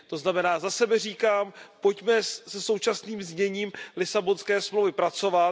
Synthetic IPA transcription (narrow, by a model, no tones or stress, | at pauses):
t̪o̞znamɛnaːzasɛbɛr̝iːkaːmpo̞cmɛsɛso̞wt͡ʃasniːmzɲɛɲiːmlɪsabonskɛːsmlowvɪpɾat͡so̞va